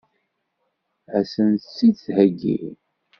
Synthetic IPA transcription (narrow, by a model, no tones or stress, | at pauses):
æsənt̪t͡sːit͡sːhæɡːḭ